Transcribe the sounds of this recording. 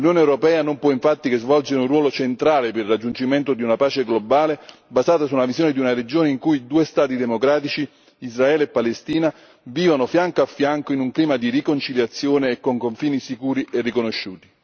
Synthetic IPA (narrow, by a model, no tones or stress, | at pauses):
lunjoːneɛwɾopɛːanompwɔiɱfat̪ːikezvɔld͡ʒinunrwɔːlot͡ʃent̪ɾaːleperːad͡ʒːunt͡ʃiment̪od̪iunapaːt͡ʃeɡlobaːlebazaːt̪asulavizjoːned̪iunared͡ʒoːneiŋkujd̪uːest̪aːt̪id̪emokɾaːt̪it͡ʃiː | zraɛːleepːalest̪iːna | viːvanofjaŋkoafːjaŋkoinuŋkliːmad̪irikont͡ʃiljat̪sːjoːneːkːoŋkoɱfiːnisikuːɾiʔerːikonoʃːuːt̪i̥